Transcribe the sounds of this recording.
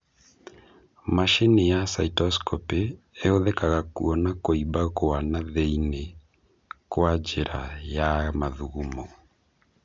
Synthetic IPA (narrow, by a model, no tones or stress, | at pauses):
maʃenejasaitɔskɔpeː | oðɛkaɣakṵɔnakoibakoanaðeine | kwad͡ʒeɾajamaðuɣumɔ